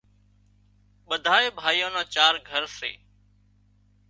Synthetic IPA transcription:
ɓəd̪ʱaːeːbʱaːijõːnãːt͡ʃaːɾɡʱəɾsḛː

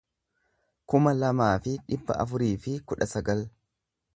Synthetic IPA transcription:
kʊmɐlɐmaːfɪᶑɪbːɐ̰ʔɐ̰fʊɾiːfɪkʊᶑɐsɐɡɐl

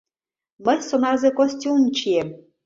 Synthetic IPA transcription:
mə̆jsonɑzekosʲtʲunt͡ɕiem

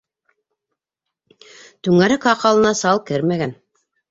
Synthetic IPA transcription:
t̪ʉŋæɾɘkɑqɑlˠɤ̆nɑsɑlˠkɘɾmæɡæn

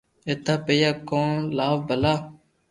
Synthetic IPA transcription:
et̪aːpejaːkõːnlaːʋbəlaː

